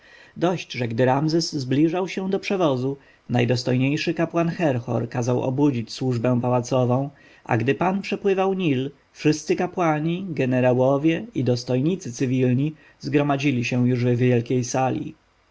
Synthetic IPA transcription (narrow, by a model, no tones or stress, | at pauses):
d̪ɔɕd͡ʑʐɛɡd̪ɘɾamzɛszblʲiʐawɕɛw̃d̪ɔpʂɛvɔzu | najd̪ɔst̪ɔjɲejʂɘkapwanxɛɾxɔ̰ɾkazawɔ̰bud͡ʑit͡ɕswuʐbɛ̃w̃pawat̪sɔvɔ̃w̃ | a̰ɡd̪ɘpanpʂɛpwɘvawɲil | fʂɘst̪sɘkapwaɲiɡɛnɛɾawɔvʲjɛid̪ɔst̪ɔjɲit̪sɘt̪sɘvʲilɲi | zɡɾɔmad͡ʑilʲiɕɛw̃juʐvɛvʲjɛlkʲejsalʲḭ